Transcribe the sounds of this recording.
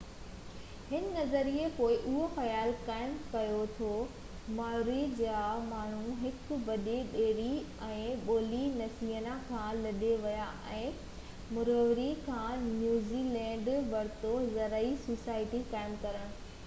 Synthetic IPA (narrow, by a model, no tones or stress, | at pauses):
hɪnɪ̆nɐzəɾiekoːɪʔʊɦoxɐjaːlkaːɪmkɐjot̪ʰoː | maːɾid͡ʑaːmaːɳ̤ũɦɪkʊ̆bɐɗeɗeːɽi | ɛ̃ːɓoːlinɐsiːɦənakʰãːlɐɗeʋɐjaʔɛ̃ː | mʊɾoʋɾikʰãːnjuːzilɛ̃ːɳɖʋɐɾt̪ozɐɾəisuːsaːɪʈikaːɪmkɐɾəɽ̃ʊ